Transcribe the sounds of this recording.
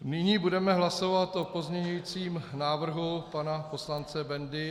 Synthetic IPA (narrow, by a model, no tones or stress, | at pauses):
nɪɲiːbudɛmɛɦlaso̞vat̪ʔopo̞zɲɛɲujit͡siːmnaːvr̩ɦupanapo̞slant͡sɛbɛndɪ